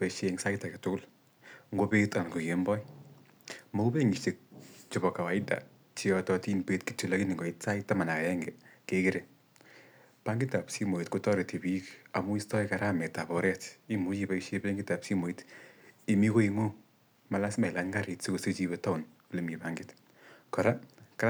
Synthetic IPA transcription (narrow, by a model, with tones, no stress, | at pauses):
pe˨ʃe˧ŋsa˦ita˨ke˨tʊkʊ˦l | ŋɡo˦pe˦ta˨nko˨jembɔ˦i | mo˦u˦pe˦ŋɡɪ˨ʃi˨k̚t͡ʃʊ˨bɔ˨ka˨wa˨ɪ˦da̰˨ | t͡ʃi˦ɔtɔ˧ti˦npe˦tki̥˨to˨la˦ki˦nɪ˨ŋɡɔ˨itsa˦ɪta˦ma˨na˨ka˨ɛ˦ŋɡɛ˨kekɪ˦ɾe | paŋɡɪ˦ta˨psi˦mo˨i˨tku˦tɔ˦ɾe˨te˨bi˦ka˨mu˦i˦stɔ˦ika˨ɾa˦mɛ˨ta˨bɔ˨ɾɛti˦mu˨˦t͡ʃi˨ba˦iʃebe˦ŋɡɪ˦ta˨psi˦mo˨i˦ti˨mi˦ko˦iŋo˦ | ma˨la˦sma˨ɪ˨la˦nɡa˦ɾi˨tse˦ko˨so˦t͡ʃi˧βeta˦ʊ˨n | ku˨le˦mi˨paŋɡɪt | kɔ˨ɾa˦ka